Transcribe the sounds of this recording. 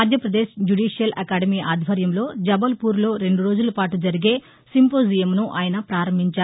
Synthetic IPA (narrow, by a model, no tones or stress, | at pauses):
aːd̪ʱjɐpɾɐd̪eːʃd͡ʒuɽɖiːʂijɐlʔɐkaːɖɐmiːʔaːd̪ʱʋɐɾjɐmlo̞ːd͡ʒɐbɐlpuːɾlo̞ːɾe̞ɳɖuɾo̞ːd͡ʒulɐpaːʈud͡ʒɐɾiɡe̞ː | simpoːzijɐmnuʔaːjɐnɐpɾaːɾɐmbʱiɲt͡ʃaː